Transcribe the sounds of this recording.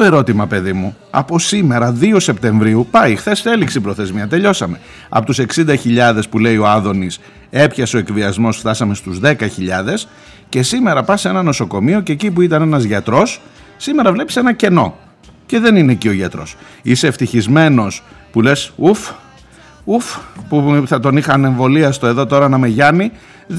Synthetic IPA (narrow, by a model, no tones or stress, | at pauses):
t̪oeɾo̞t̪imɐpe̞ðimu | ɐ̰po̞sime̞ɾɐðio̞se̞p̚t̪e̞ɱvɾiupɐixθe̞seliksibɾo̞θe̞zmiɐt̪e̞ʎo̞sɐme̞ | ɐ̰po̞t̪use̞ksind̪ɐçiʎɐðe̞spule̞io̞ɐðo̞nis | e̞pçɐseo̞ekviɐzmo̞sft̪ɐsɐme̞st̪uzðe̞kɐçiʎɐðe̞s | ce̞sime̞ɾɐpɐse̞nɐno̞so̞ko̞mio̞ceːcipuit̪ɐne̞nɐzʝɐt̪ɾo̞sː | ime̞ɾɐvle̞pi̥se̞nɐce̞no̞̰ | ce̞ðe̞nine̞ːcio̞ʝɐt̪ɾo̞̰sise̞ft̪içizme̞no̞spule̞suf | ufpuθɐt̪o̞nixɐne̞ɱvo̞liɐst̪o̞e̞ðo̞t̪o̞ɾɐnɐme̞ʝɐni